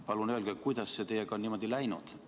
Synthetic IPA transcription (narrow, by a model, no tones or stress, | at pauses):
pɑlunøːlɡ̥ekujd̪̥ɑsset̪e̞jeɡ̥ɑonniːmo̞d̪ilæjnṵd̪̥